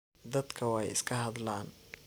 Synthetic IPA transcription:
d̪ɐd̪kʰɐwɑjɪ̰skʰɐɦɐd̪laːn

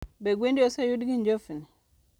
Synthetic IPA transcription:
beɡwendiosɛjudɡind͡ʒofini

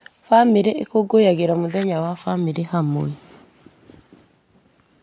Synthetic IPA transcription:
famiɾeʔekoɡojaɣeɾamuðɛɲawafamiɾehamo̰i

